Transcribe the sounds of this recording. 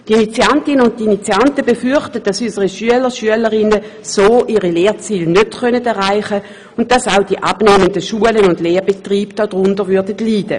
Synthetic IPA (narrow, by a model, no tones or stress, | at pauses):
tinit͡siantɪnənʊntːinit͡sjantəbefyχtət̚d̥asysəʁiʃyələʁʃyələʁɪnə | soːʔiʁileːɐt͡siːlnøtχœnədɛʁaɪχə | ʊnt̚d̥asaʊd̥iʔabneːməndəʃuələnʊndleːʁbetʁiːb̥d̥ɔd̥ʁʊndəʁʋyɐdətliːdə